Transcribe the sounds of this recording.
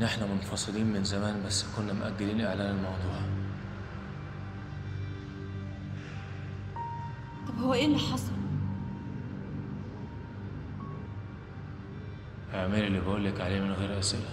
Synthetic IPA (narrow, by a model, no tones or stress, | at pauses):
ʔeħnæmonfɑsˤɨliːnmenzæmæːnbæsːkonːæmoʔæɡːæliːnʔeʕlæːnelmɑwd̪ˤuːʕ | t̪ˤɑbhowːæʔeːlːiħɑsˤɑl | ʔeʕmæːlelːibʔuːlːækʕaleːmenɣeːɾʔæselæ